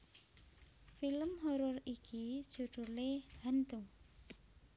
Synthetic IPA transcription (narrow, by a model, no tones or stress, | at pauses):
filəmɦɔɾʊriki̥d͡ʒ̥ṳɖ̥ṳlehant̪uŋ